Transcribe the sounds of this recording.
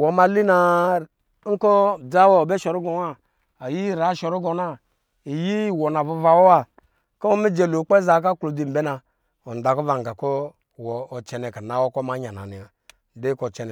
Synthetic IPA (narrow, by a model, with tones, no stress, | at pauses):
wo˨ma˧li˦na˨˦ | ŋ̩˦ko˦d͡za˦wo˦˨be˦ʃo˨ɾu˦ɡo˨a˦ | a˨ji˦ɾa˨˦ʃo˨ɾu˦ɡo˨˦na˦ | i˨ji˦˨wo˨na˨vo˦va˨wo˦wa˨ | ko˦o˦mi˦d͡ʒe˨lo˨˦k͡pe˦za˨˦k̬a˦klo˨di˨m̩˨be˦na˨ | o˨n˨da˨ko˦va˨ŋ˨ɡa˨ko˦ | wɔː˨t͡ʃɛ˨ne˨ka˨na˨˦wo˦ko˦ma˦ɲa˨na̰˨ni˨a˨ | de˦ko˨t͡ʃɛ˨n˨